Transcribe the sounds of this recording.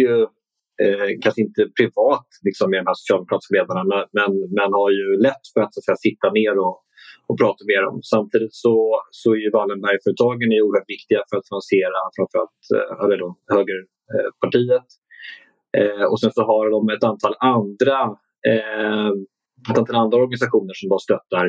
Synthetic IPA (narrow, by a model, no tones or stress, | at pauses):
jɵ | kʰanʂəɪnt̪əpʰɾɪvɑːt̪lɪksɔmːɪd̪ɔmhæːʂʊ̥sɪjɑlmʊkɾɑːt̪ɪ̥skaleːd̪aɳamɛmɛnmɛnhaɾjɵlɛt̪ːfœɾat̪sat̪sɛjːasɪt̪ːameːɾɔ | ɔpʰɾɑːt̪ameːɾɔ̰msamt̪ʰiːd̪ɪt̪sɔsɔæɾjɵvalːənbæɾjfœɾət̪ʰɑːɡənjuːɾhœːʈvɪkt̪ɪɡafœɾat̪fɪnansɪeːɾafɾanfəɾa̰lt̪ɛləd̪ohøːɡəɾ | pʰaʈʰiːət̪ | ɔ̰sɛnsɔɦaɾd̪ɔmɛt̪ant̪ʰɑːland̪ɾa | ɛt̪ant̪ʰɑland̪ɾaɔɾɡanɪsaɧuːnəʂɔmbaːst̪œt̪ːaɾ